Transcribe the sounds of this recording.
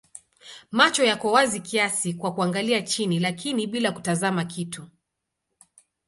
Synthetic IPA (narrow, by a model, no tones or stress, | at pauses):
mat͡ʃɔjakɔwazikiasikwakuaŋɡaliat͡ʃinilakiniɓilaku̥tazamakʰitʰu